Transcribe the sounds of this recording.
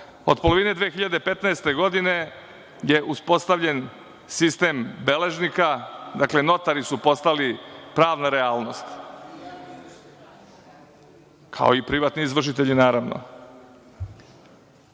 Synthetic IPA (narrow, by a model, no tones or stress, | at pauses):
o̞̰d̪̚po̞loʋine̞d̪ʋeːxiʎad̪epe̞t̪naest̪e̞ɡo̞d̪ine̞ | je̞ʔuspo̞st̪aʋʎe̞n | sist̪e̞ːmbe̞le̞ʒnikad̪akle̞no̞t̪aɾisupo̞st̪alipɾaːʋnaɾeaːlˠno̞st̪ | kʰa̰o̞ipɾiʋaːt̪niizʋr̩ʃ̬it̪e̞ʎinaːɾaʋno̰